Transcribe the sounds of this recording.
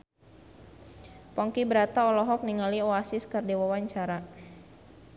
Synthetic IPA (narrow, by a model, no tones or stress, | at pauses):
pɔŋkibəɾat̪aɔlɔɦɔk̚niŋaliɔasiskərdiwawaɲt͡ʃaɾa